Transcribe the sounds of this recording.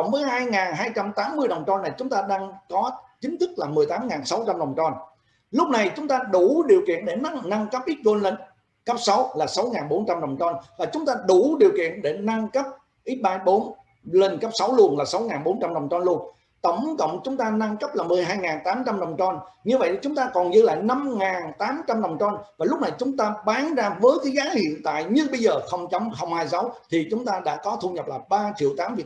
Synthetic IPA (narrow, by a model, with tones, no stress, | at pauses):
wŋ͡mvəː˨˦jɦaː˧jŋaː˨˩nɦaː˧jt͡ɕa˧mt̪aː˨˦mːɨ˧əjɗə˨˩wŋ͡mt͡ɕɔ˧nːa˨˩jt͡ɕʊ˨˦ŋ͡mt̪aː˧ɗaː˧ŋkɔ˨˦t͡ɕï˨˦ŋ̟t̪ʰɨ˦˥k̚laː˨˩mɨ˨˩əjt̪aː˨˦mŋaː˨˩nsa˨˦wt͡ɕa˧mɗə˨˩wŋ͡mt͡ɕɔ˧n | lʊ˦˥k͡p̚na˨˩jt͡ɕʊ˨˦ŋ͡mt̪aː˧ɗu˧˩ɗi˨˩əwkḭ˧˨ənɗe˧˩na˧˦ŋna˧ŋkə˦˥p̚ʔi˦˥t̚ko˧nlə˧ŋ | kə˦˥p̚sa˨˦wlaː˨˩sa˨˦wŋaː˨˩nɓo˨˦nt͡ɕa˧mɗə˨˩wŋ͡mt͡ɕɔ˧nvaː˨˩t͡ɕʊ˨˦ŋ͡mt̪aː˧ɗu˧˩ɗi˨˩əwkḭ˧˨ənɗe˧˩na˧ŋkə˦˥p̚ | ʔi˦˥t̚ɓaː˧ɓo˨˦n | le˧nkə˦˥p̚sa˨˦wlu˧˩ənlaː˨˩sa˨˦wŋaː˨˩nɓo˨˦nt͡ɕa˧mɗə˨˩wŋ͡mt͡ɕɔ˧nlu˧ən | t̪ə˧˩wŋ͡mkə̰˧˨wŋ͡mt͡ɕʊ˨˦ŋ͡mt̪aː˧na˧ŋkə˦˥p̚laː˨˩mɨ˨˩əjɦaː˧jŋaː˨˩nt̪aː˨˦mt͡ɕa˧mɗə˨˩wŋ͡mt͡ɕɔ˧nɲɨ˧və̰˧˨jt͡ɕʊ˨˦ŋ͡mt̪aː˧kɔ˨˩nzɨ̰˧la̰ː˧˨jna˧mŋaː˨˩nt̪aː˨˦mt͡ɕa˧mɗə˨˩wŋ͡mt͡ɕɔ˧nvaː˨˩lʊ˦˥k͡p̚na˨˩jt͡ɕʊ˨˦ŋ͡mt̪aː˧ɓaː˨˦nzaː˧vəː˨˦jkaː˨˦jɣaː˨˦hḭ˧˨ənt̪a̰ː˧˨jɲɨ˧ŋɓə˧jzəː˨˩xə˧wŋ͡mt͡ɕə˨˦wŋ͡mxə˧wŋ͡mhaː˧jsə˨˦wt̪ʰi˨˩t͡ɕʊ˨˦ŋ͡mt̪aː˧ɗa̰ː˧˥kɔ˨˦t̪ʰu˧ɲə˨˩p̚laː˨˩ɓaː˧t͡ɕḭ˧əwt̪aː˨˦mvi˨˩ə